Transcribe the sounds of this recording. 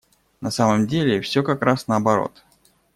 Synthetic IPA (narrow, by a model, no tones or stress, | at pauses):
nɐsaməmdʲelʲɪfsʲɵkɐkɾasnəɐbɐɾo̰t̪